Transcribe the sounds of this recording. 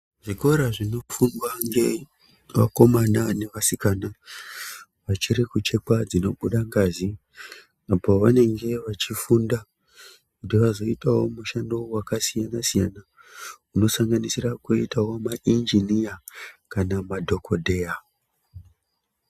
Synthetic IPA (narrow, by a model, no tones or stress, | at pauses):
ʐiko̞ɾaʐino̞funwaŋɡe̞ | ʋa̰ko̞manane̞ʋasikana | ʋat͡ʃiɾikut͡ʃe̞kad͡zino̞ɓuɗaŋɡaːzi | apo̞ʋane̞ŋɡe̞ʋat͡ʃifunda | kutiʋazo̞itawo̞muʃandowakasijanasijana | uno̞saŋɡanisirakuitawo̞maʔind͡ʒinijakanamadʱo̞kʰo̞dʱe̞ja